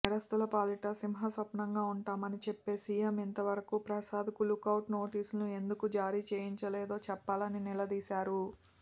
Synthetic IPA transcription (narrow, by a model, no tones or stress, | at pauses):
niɾɐst̪ulɐpaːliʈɐsimɦɐsɐpnɐŋɡaːuɳʈaːmɐnit͡ʃepːe̞ːsiːjɐmint̪ɐʋɐɾɐkuːpɾɐsaːd̪ʱikulukɐwʈno̞ːʈiːsulnue̞nd̪ukud͡ʒaːɾiːt͡ʃeːjiɲt͡ʃɐleːd̪o̞ːt͡ʃɛpːaːlɐninilɐd̪iːsaːɾu